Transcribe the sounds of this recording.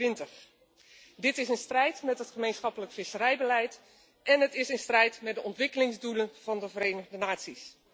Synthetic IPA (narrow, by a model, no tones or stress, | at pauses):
ɪntəχ | dɪtɪsənstrɛjtmɛtɦətχəmejnsχɑpələkfɪsərɛjbəlɛjt | ʔɛnətɪsənstrɛjtmɛt̚dəʔɔntʋɪkəlɪŋzdulənv̥ɑndəvərejnəχdənaːtsis